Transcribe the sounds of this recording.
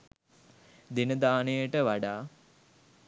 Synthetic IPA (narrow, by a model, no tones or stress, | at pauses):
d̪inəd̪aːnejəʈəʋaɖaː